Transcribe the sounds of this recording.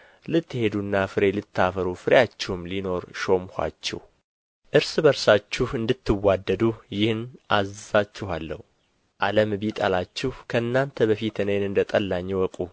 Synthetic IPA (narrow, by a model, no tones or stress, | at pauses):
lɨt̪ːɨhe̞d̪unːafɨɾe̞lɨt̪ʰːafəɾufɨɾjat͡ʃːɛhumlino̞ɾʃo̞mhʷa̰t͡ʃːɛ̰h | ʔɨɾsɨbəɾsat͡ʃːɪhɨnd̪ɨt̪ʰːɨwːad̪ːəd̪ujɪhnʔazzat͡ʃːɪɦalːə̰h | ʔaləmbit̪ʼalat͡ʃːɪhkʰəɨnːant̪ʰəβəfit̪ʰɨnəjnɨnd̪ət̪ʼəlːaɲːɛwɔkʼu